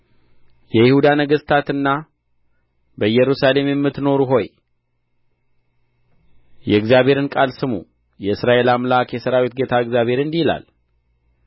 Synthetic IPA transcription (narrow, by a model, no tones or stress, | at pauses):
jɛjɪhud̪anəɡəsʼt̪ʰat̪ɨnːa | bəjɛɾusale̞mjɛmːɨt̪no̞ɾuɦo̞j | jɛɨɡzjaβhe̞ɾɨnkʼalsɨmṵ | jɛɨsɾaʔe̞lamlakjɛsəɾawit̪ɡe̞t̪ʰaɨɡzjaβhe̞ɾɨnd̪ihla̰l